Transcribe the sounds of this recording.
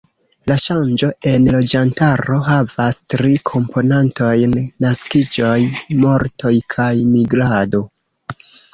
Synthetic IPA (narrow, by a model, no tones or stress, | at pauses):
laʃand͡ʒo̞ʔe̞nlo̞d͡ʒantaɾo̞ɦavastɾikʰo̞mpʰo̞nanto̞jnːaskid͡ʒo̞jmo̞ɾtʰo̞jkʰajmiɡɾado̞